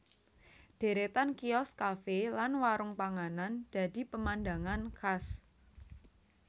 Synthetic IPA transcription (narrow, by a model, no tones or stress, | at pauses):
d̥e̤ɾet̪ankiɔskafelanwaɾʊŋpaŋanand̥a̤d̥i̤pəmanda̤ŋankʰas